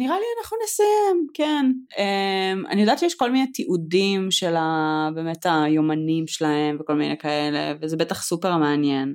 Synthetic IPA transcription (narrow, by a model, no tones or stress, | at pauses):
niʁalianaχnunesajemkenemʔa̰nijod̪at̪ʃejɛʃko̞lminet̪iʔudimʃelabeːmet̪ajomanimʃelahe̞mveko̞lminḛkae̞le̞̰vezebetaχsupeʁmeanjen